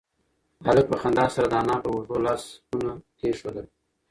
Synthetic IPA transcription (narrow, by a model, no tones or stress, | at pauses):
haləpəxand̪ɑsaɾad̪əɑnɑpəwoʐolɑsunat̪eʃod̪əl